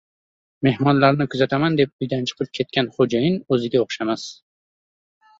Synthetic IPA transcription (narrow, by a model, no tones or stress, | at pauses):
me̞hmɒnlaɾnɪkʰʊzat̪ʰamand̪e̞p̚ʊjd̪ant͡ʃʰɨ̥qʰɨlɪp̚kʰʲe̞t̪̚kʲʰanχod͡ʒajɪnɵzɪɡʲaoχʃamas